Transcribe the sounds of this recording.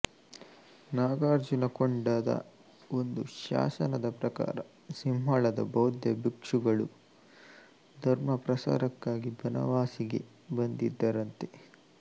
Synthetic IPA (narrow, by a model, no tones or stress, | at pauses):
naːɡaːɾd͡ʒunɐkoɳɖaːd̪ɐ̰ | o̞nd̪uʃa̰ːsɐnɐd̪ɐpɾɐka̰ːɾɐ | simɦaɭɐd̪ɐ̰bɐwd̪jɐbikʂuɡɐɭu | d̪ʱɐɾmɐpɾɐsa̰ːɾɐkːaːɡibʱɐnɐ̰ʋaːsiɡe̞ | bɐnd̪id̪ːɐɾɐnt̪e̞̥